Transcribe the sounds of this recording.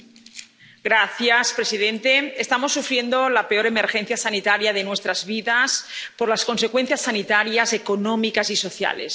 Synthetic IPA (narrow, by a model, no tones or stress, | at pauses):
ɡɾaθjaspɾe̞sið̞ent̪e̞est̪amo̞sːufɾje̞nd̪olapeo̞ɾe̞me̞ɾxe̞n̟θjasanit̪aɾjaðe̞nwe̞st̪ɾazβiðaspoɾlasko̞nse̞kwe̞n̟θjasːanit̪aɾjase̞konomikasiso̞θja̰le̞̰s